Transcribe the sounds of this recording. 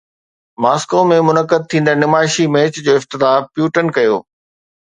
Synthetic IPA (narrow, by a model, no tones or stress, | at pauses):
maːskoːmẽmʊnəkəd̪̚t̪ʰĩːnd̪əɾnɪmaːɪʃimeːt͡ɕd͡ʑoːɪft̪ɪt̪aːpjuːʈənkɐjo̰ː